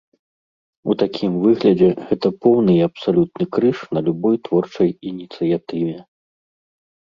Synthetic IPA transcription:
ut̪akʲʰimvɨɣlʲɐd͡zʲɛɣɛt̪ɐpɔwnɨɐpsalʲut̪̚nɨkɾɨʂnɐlʲubɔjt̪vɔrt͡ʂɐjinʲit̪sɨjat̪ɨvʲɛ

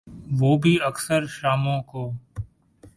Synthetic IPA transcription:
ʋoːbʱiːəksəɾʃaːmõːkoː

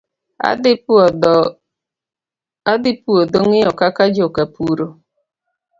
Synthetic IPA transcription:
ad̪ɪpuodoŋɪɔkakad͡ʒokapuɾo

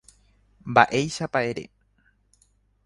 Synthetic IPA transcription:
mba̰ʔe̞jʃapae̞ɾe̞̰

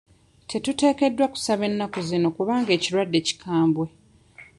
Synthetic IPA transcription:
tʰe̞tute̞ːke̞dːwaku̥saβe̞nːakozino̞kuβaːŋɡe̞ːciɾwadːe̞ːci̥kʰaːmbwe̞

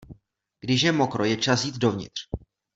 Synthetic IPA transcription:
ɡ̥dɪʃjɛmo̞kɾojɛt͡ʃasjiːt̪do̞vɲɪ̰t̪r̝̥

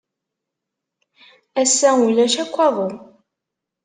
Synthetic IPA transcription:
æsːæulːæʃækʷːɑðˤo

